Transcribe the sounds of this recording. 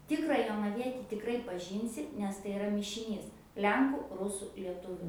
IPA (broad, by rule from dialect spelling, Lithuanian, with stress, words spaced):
ˈtʲɪkrɑː joːnɐˈʋʲiɛtʲɪ tʲɪkˈrɐɪ pɐˈʒʲiːnʲsʲɪ nʲɛs tɐɪ ɪˈrɐ mʲɪʃʲɪˈnʲiːs ˈlʲɛŋkʊ ˈrʊsʊ lʲiɛˈtʊʋʲʊ